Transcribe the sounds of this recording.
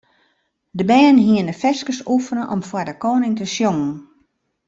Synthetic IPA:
dəbɛːnɦiəndəfɛskəsufənəʔɔ̰mfwardəkoːnɪŋtəsjoŋn

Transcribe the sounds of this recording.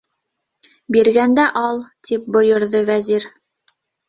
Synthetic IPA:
biɾɡænd̪æʔɑlˠt̪ʰip̚bŏjŏɾðɤvæziɾ

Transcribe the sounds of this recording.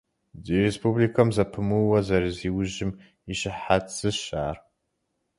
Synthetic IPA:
ziɾespublikʰɐmzɐpʰɨmuwɐzɐɾɨziːwʊʒɪm | iʃɪħat͡sɨʃaːr

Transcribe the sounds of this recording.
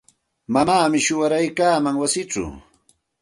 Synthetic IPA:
mamaːmɪʃʊwaɾajkaːmaŋwasɪt͡sʊ̰

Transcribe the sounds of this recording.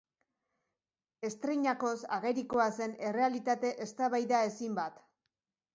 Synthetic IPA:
e̞st̪ɾejɲako̞saɣe̞ɾiko̞ase̞ne̞re̞alit̪at̪e̞ʔest̪aβajðae̞simbat̪

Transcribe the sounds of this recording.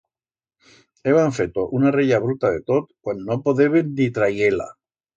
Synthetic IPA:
eβaɱfe̞t̪o̞ʔunareʎaβɾut̪aðe̞t̪ot̪̚kwanːopoðe̞βennit̪ɾajela̰

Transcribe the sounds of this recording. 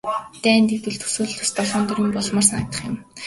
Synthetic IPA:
t̪æːnt̪ek̚t̪ɘ̆ɮt̪ʰɵ̥suːɮ̆t̪ʰust̪ɔɮɔːnt̪ɵɾiːmpɔɮmɔːrsanăk̚t̪ə̆χɪ̆m

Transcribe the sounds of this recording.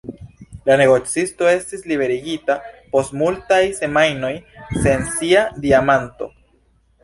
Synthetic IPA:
lane̞ɡo̞t͡sisto̞e̞stislibe̞ɾiɡitapo̞stmultajse̞majno̞jse̞nsiadiamanto̞̰

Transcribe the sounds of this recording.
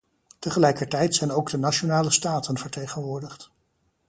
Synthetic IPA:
təχəlɛjkəɹtɛjtsɛjnowɡdənat͡ʃonaːləstaːtənv̥əɹtejχənʋʊːɹdəχt

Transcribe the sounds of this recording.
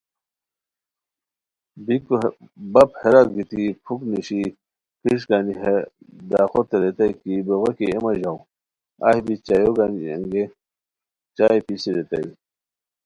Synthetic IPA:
bikbɐpheɾak̚ɡit̪ipʰukniɕi | kiʂɡaːnie | d̪aːxot̪eɾet̪ɐikiboɣekiemɐʑaw | ɐ̰hbit͡ɕajoɡaniḛŋɡe | t͡ɕaːjpisiɾet̪ɐ̰i

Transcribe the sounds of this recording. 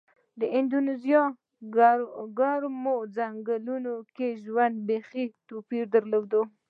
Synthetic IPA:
d̪əɪnd̪unezijɑ | ɡaɾmod͡zaŋɡalunokeʒwand̪̚bexit̪opiɾd̪əɾlawd̪o

